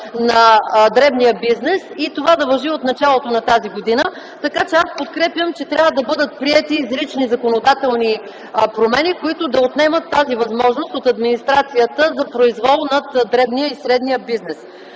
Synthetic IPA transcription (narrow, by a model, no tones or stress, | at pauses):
nɐd̪ɾɛbnijəbiznɛsit̪ovad̪ɐvɐʒiot̪nɐt͡ʃalˠot̪onɐt̪aziɡod̪inə | t̪ɐkat͡ʃɛaspot̪kɾɛpjəmt͡ʃɛt̪ɾʲavəd̪ɐbɤd̪ət̪̚pɾiɛt̪izɾit͡ʃnizɐkonod̪at̪ɛlˠni | pɾomɛnikoit̪ʊd̪ɐot̪nɛmət̪ːazivɐzmɔʒnost̪ot̪ɐd̪minist̪ɾat̪sijət̪əzɐpɾoizvɔlˠnɐt̪d̪ɾɛbnijəisɾɛd̪nijəbiznɛs